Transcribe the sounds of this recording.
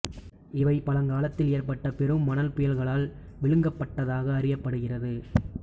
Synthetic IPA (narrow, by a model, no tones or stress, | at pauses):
ɪʋɐɪpɐlɐŋɡaːlɐt̪ːɪleːrpɐʈːɐpɛɾɯmːɐnɐlpʊjɐlɣɐɭaːl | ʋɪɭɯŋɡɐpːɐʈːɐðaːɣɐːrɪjɐpːɐɽɯɣɪrɐðɯ